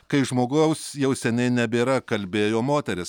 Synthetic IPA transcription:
kɐɪʒmoːɡoʊsjɛʊsʲɛnʲɛɪnʲɛbʲeːɾɐkɐlʲbʲeːjoːmoːt̪ʲɛɾʲɪs

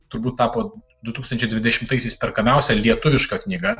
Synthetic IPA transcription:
t̪ʊɾbuːt̪̚t̪ɑːpoː | d̪ʊt̪uːkst̪ɐnʲt͡ʃʲɛɪd̪ʲʋʲɪd̪ʲɛʃʲɪmt̪ɐɪsʲɛɪspʲɛɾkɐmʲɛˑʊsʲɛlʲiɛt̪ʊʋʲɪʃkɐknʲiːɡɐ

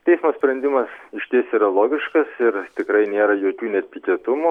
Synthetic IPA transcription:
t̪ʲɛɪsmoːsʲpʲɾʲɛnʲd̪ʲɪmɐsɪʃʲt̪ʲeːsʲiːɾɐlˠoːɡʲɪʃkɐsɪɾt̪ʲɪkɾɐɪnʲeːɾɐjoːkʲuːnʲɛt̪ʲpʲɪkʲiɛt̪ʊmu

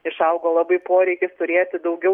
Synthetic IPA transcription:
ɪʃɐʊɡoːlˠɑbɐɪpoːɾʲɛɪkʲɪst̪ʊɾʲeːjt̪ʲɪd̪ɐʊɡʲɛ

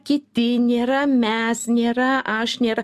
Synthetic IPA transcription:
kʲɪt̪ʲɪnʲeːɾɐmʲɛsnʲeːɾɐʔɐʃnʲeːɾɐ

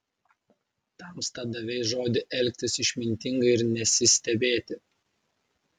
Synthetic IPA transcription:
t̪ɐmst̪ɐd̪ɐʋʲɛɪsʒoːd̪ʲɪʔɛlʲkʲt̪ʲɪsɪʃʲmʲɪnʲt̪ʲɪŋɡɐɪɾnʲɛsʲɪsʲt̪ʲɛbʲeːt̪ʲɪ

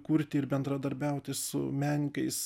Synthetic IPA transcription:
kuɾʲt̪ʲɪɪɾbʲɛnd̪ɾɐd̪ɐɾʲbʲæʊt̪ʲɪsʊmʲæːnʲɪkɐɪs

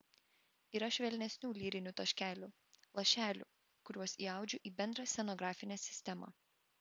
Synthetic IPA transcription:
iːɾɐʃʲʋʲɛlʲnʲɛsʲnʲuːlʲiːɾʲɪnʲʊt̪ɐʃʲkʲæːlʲu | lˠɐʃʲæːlʲṵː | kʊɾʲuɔsiːɑˑʊd͡ʒʲʊʔiːbʲɛnd̪ɾɐsʲɛnɔɡɾɑːfʲɪnʲɛːsʲɪ̥sʲt̪ʲɛmɑ̰

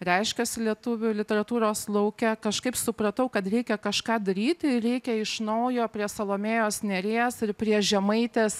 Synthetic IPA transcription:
rʲɛɪʃʲkʲɛsʲɪlʲiɛt̪ʊʋʲʊlʲɪt̪ʲɛɾɐt̪uːɾoːslˠɐʊkʲɛkɐʃkɐɪpsʊpɾɐt̪ɐʊkɐt̪ɾʲɛɪkʲɛkɐʃkɑːd̪ɐɾʲiːt̪ʲɪɾʲɛɪkʲɛɪʃnɐʊjoːpʲɾʲiɛsɐlˠoːmʲeːjoːsnʲɛɾʲeːsɪɾpʲɾʲiɛʒʲɛmɐɪt̪ʲeːs

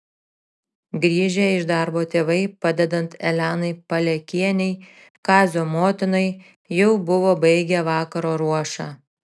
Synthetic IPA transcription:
ɡɾʲiːʒʲɛɪʃd̪ɑɾboːt̪ʲeːʋɐɪpɐd̪ʲɛd̪ɐnt̪ɛlʲæːnɐɪpɐlʲɛkʲiɛnʲɛɪ | kɑːzʲoːmoːt̪ʲɪnɐɪ | jɛʊbʊʋoːbɐɪɡʲɛʋɑːkɐɾoːɾuɔʃɑː

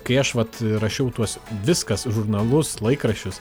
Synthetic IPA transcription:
kɐɪɐʃʋɐt̪ɾɐʃʲɛʊt̪uɔsʋʲɪskɐsʒʊɾnɐlˠʊslˠɐɪkɾɐʃʲʊs

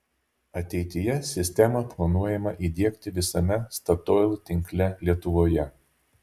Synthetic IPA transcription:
ɐt̪ʲɛɪt̪ʲɪjɛsʲɪsʲt̪ʲɛmɐplˠɐnuɔjɛmɐʔid̪ʲiɛkt̪ʲɪʋʲɪsɐmʲɛst̪ɐt̪olˠt̪ʲɪŋʲklʲɛlʲiɛt̪ʊʋoːjɛ

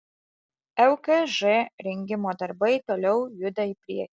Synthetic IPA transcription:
ɛʊkɛʒɛɾʲɛŋʲɡʲɪmoːd̪ɐɾbɐɪt̪oːlʲɛʊjɵd̪ɐipʲɾʲiɛkʲ

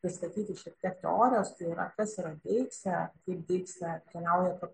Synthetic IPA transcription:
pɾʲɪsʲt̪ɐt̪ʲiːt̪ʲɪʃʲɛpt̪ʲiɛkt̪ʲɛ̰oːɾʲɪjoːst̪ɐɪiɾɐ̰kɐsiɾɐd̪ʲeɪksʲɛkɐɪp̚d̪ʲɛɪksʲɛt̪ʲɛlɐʊjɛkɐ

